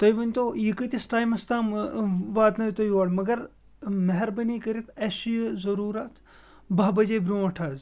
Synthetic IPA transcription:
t̪ɐjʋɐnʲt̪ojikɨt̪ʲɐsʈaːjmɐst̪aːmʋaːt̪nɐjt̪ojʋaːɽmɐɡɐɾ | mɐɦɐɾbɐnikɐɾit̪ʰɐːsijzɐɾuːɾɐt̪ʰ | bɐɦbɐd͡ʒeːbɾõːɐʈʰaːz

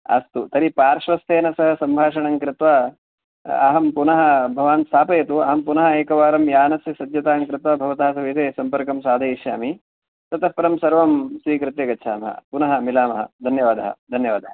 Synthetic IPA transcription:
a̰ːst̪ut̪ɐɾipaːɾʃʋɐst̪eːnɐsɐɦɐsɐmbʱaːʂɐɳɐŋkɾɪt̪ʋa | ɐɦɐmpunɐɦɐ̆bʱɐʋaːnsʰaːpɐjɐt̪uɐ̰ɦɐmpunɐɦɐeːkɐʋaːɾɐmjaːnɐsjɐsɐd̪jɐt̪aːŋkɾɪt̪ʋɐbʱɐʋɐt̪aːsɐʋeːt̪eːsɐmpɐɾkɐmsaːd̪ʱɐiʃja̰ːmi | t̪ɐt̪ɐpɐɾɐmsɐɾʋɐmsʋiːkɾɪt̪jɐɡɐt͡ʃʰaːmɐɦɐ̰punɐɦɐmilaːmɐɦɐ̰d̪ʱɐnjɐʋaːd̪ɐɦɐ̰d̪ʱɐnjɐʋaːd̪ʱɐɦɐ

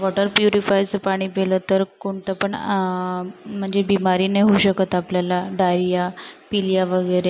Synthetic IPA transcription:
ʋɔʈəɾpjuɾifajt͡səpaɽ̃iːpelət̪əɾkoɳt̪əpəɳ | m̤əɳd͡zebimaɾiːneɦouɕəkət̪apljalaɖajɾijapiljaʋəɡəɾe

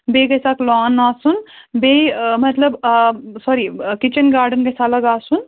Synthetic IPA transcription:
beːɡɐjsaklaːnaːsunbeːmɐt̪lɐbsɔɾikit͡ʃɐnɡaːɾɖənɡɐjsaːlɐɡaːsun

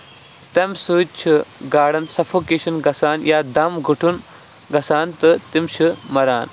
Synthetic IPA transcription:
t̪ɐmsɨːt͡ʃʰɨɡaːɽɐnsɐfʰuːkeːʃɐnɡɐsaːnjaːd̪ɐmɡuʈʰun | ɡɐsaːnt̪ɨt̪imʃʰɨmɐɾaːn

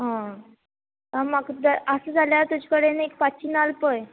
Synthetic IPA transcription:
ɦã | amaɡd̪əəsəd͡zʱaljaɾt̪ud͡ʑikəɽenekpat͡ɕiːnalpəj

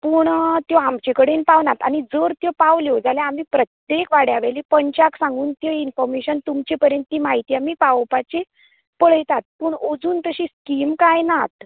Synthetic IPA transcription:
puːɳt̪jɔamt͡ɕekəɽenpaʋnat̪añid͡zəɾt̪jɔpaʋljod͡zaljaam̤iːpɾət̪jekʋaɽjaʋelipəɲt͡ɕaksãŋɡuːnt̪jeinfɔɾmeɕənt̪umt͡ɕepəɾjənt̪ːiːmaɦit̪iːamiːpawpat͡ɕe | pəɭ̤əjt̪at̪̚pəɳod͡zuːnt̪əɕiskiːmkajnat̪

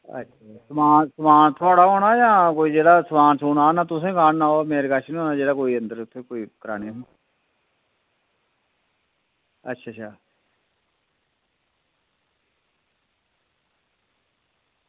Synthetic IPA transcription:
ə̰tːʃʰaːsəmaːnsəmaːnt̪ʰʊaːɽaːɦoːɽaːjãːkoːiːd͡ʒeːɽaːsəmaːnsuːnaːnãːt̪ʊsẽːkaːnnãːoːmeːɾekaːʃʰnĩːɦõːnaːd͡ʒeːɽaːkoːiːə̃nd̪əɾʊt̪ʰːeːkoːiːkəɾa̰ːneːɦo | ə̰tːʃʰaːt͡ʃʰaː

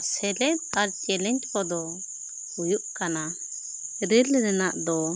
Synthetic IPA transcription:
sɛlɛaɾt͡ʃɛlɛɲt͡ʃkɔd̪ɔ | hujuʔkana | ɾilɾɛnaʔd̪ɔ

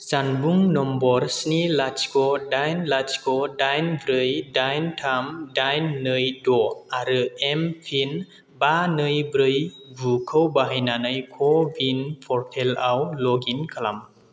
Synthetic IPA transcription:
zanbuŋnɔmbɔɾsnilat͡ʃkʰɔdajnlat͡ʃkʰɔdajnbɾɯjdajntʰamdajnːɯjdɔaɾɯempʰin | banɯjbɾɯjbukʰɯwbaɦajnanɯjkʰɔbinpʰɔɾtʰelawlɔɡinkʰalam

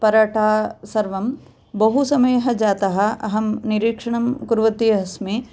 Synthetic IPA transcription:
pɐɾɐʈʰaːsɐɾʋɐm | bɐɦusɐmɐjɐɦɐ̆d͡ʒaːt̪ɐɦɐ̆ɐ̰ɦɐmniɾiːkʂɐɳɐmkuɾʋɐt̪ijɐɦɐsmi

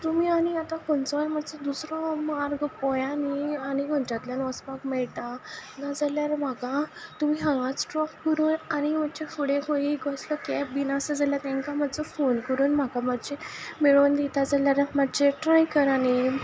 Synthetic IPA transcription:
t̪umiːaniat̪ãkɔnt͡sɔm̤ad͡zɔd̪usɾɔmaɾɡpɔjanianiməɳt͡ɕat̪ljanɔspakmɛɭt̪anad͡zaljaɾm̤aɡat̪umiːɦə̃ŋɡat͡ssʈɾɔkːəɾuːnañim̤at͡ɕefuɽẽkʰõiɡʱɔslɔkɛpbinasəd͡zaljat̪ɛ̃ŋkamad͡zɔfonkəɾuːnm̤akamat͡ɕemeɭond̪it̪ad͡zaljaɾmat͡ɕeʈɾajkəɾani

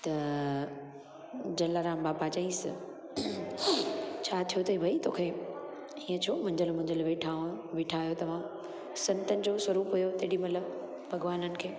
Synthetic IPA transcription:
t̪ɐ | d͡ʑɐlaːɾãːmbaːpat͡ɕɐĩs | t͡ɕʰat̪ʰijot̪ɐɦibʱɐit̪oːkʰe | iːə̃t͡ɕʰoːmɐ̃ɪ̃ɲd͡ʑəlmʊ̃ɦɪ̃ɲd͡ʑəlʋeːʈʰaːõʋeːʈʰaːjot̪ɐʋ̤ã | sɐ̃nt̪ənɪ̆d͡ʑoswɐɾuːpɦujot̪ɐɽimɐt̪ləb | bʱɐɡʋaːnənɪ̆kʰeː

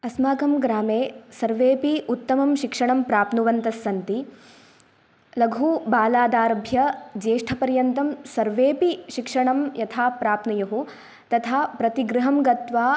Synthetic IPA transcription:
ɐsmaːɡɐmɡɾaːmeːsɐɾʋeːpiut̪ːɐmɐmʃikʂɐɳɐmpɾaːp̪nuʋɐnt̪ɐsːɐnt̪i | lɐɡʱuːbaːlaːd̪aːɾɐbʱjɐd͡ʒeːʂʈʰɐpɐɾjɐnt̪ɐmsɐɾʋeːpiʃikʂɐɳɐmjɐt̪ʰaːpɾaːpnɐjɐɦu | t̪ɐt̪ʰaːpɾɐt̪iɡɾɪɦɐmɡɐt̪ʋaː

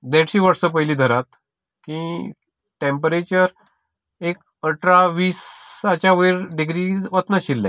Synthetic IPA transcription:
d̪eʈɕiːʋəɾsəpəɦjliːd̪ʱəɾat̪ | kĩ | ʈempɾet͡ɕəɾ | ek | əʈɾaʋiːsat͡ɕaʋejɾɖiɡɾiʋət̪naɕilːɛ̃

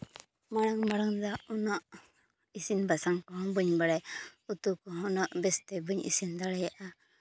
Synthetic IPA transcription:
maɽaŋmaɽaŋd̪aunaʔ | isinbasaŋkɔɦɔŋbuɲbaɽaut̪ukɔɦɔnaʔbɛst̪ɛbuɲḭsind̪aɽɛjaʔa

